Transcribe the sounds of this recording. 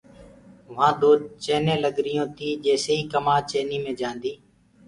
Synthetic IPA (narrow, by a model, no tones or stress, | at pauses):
ʋãːd̪oːt͡ʃeːnẽːləɡɾɪjõːt̪ʰiːd͡ʒeːseːiːkəmaːt͡ʃeːniːmẽːd͡ʒãːnd̪iː